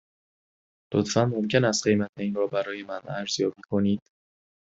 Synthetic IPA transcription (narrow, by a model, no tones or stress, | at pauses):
lot̪fænmo̞mcʰe̞næst̪̚ɢe̞jmæt̪ʰeinɾɒːbæɾɒːje̞mænæɾz̥jɒːbiːkʰo̞niːd̪̥